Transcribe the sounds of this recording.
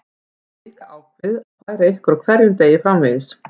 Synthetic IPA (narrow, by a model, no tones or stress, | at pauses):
liːkaaːwkvɪðakvaːjɾaehkʏɾawkʰvɛɾjʏmt̪eːjɪfɾawmvɪðɪs